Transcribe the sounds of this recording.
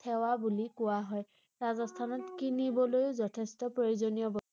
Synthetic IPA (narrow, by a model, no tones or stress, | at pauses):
tʰɛwabulikʊwaɦɔj | ɹazɔstʰanɔtkinibɔlojʊzɔtʰestɔpɹojuzonijɔbɔ